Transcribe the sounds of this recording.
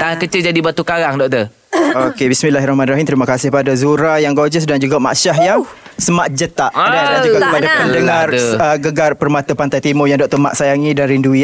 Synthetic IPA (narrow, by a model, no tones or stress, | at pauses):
t̪aakət͡ʃɪld͡ʒadibat̪ukaɾaŋdɔk̚t̪ə | okebismĩnlaɦɾahmãnɾaɦimt̪əɾimakasɪhpadazuɾajaŋɡod͡ʒəsdaŋd͡ʒuɡama̰ʔʃaɦjasəmaʔd͡ʒət̪aʔdat̪əlad͡ʒuɡɡakəpadapəndəŋarəɡəɡarpərmat̪əpant̪ajt̪imɔjaŋdɔk̚t̪əma̰ʔsajaŋĩdanɾinduia